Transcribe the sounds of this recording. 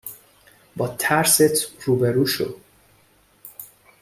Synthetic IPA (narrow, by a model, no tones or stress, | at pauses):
bɒːt̪ʰæɾset̪ʰruːbeɾuːʃo̰d̪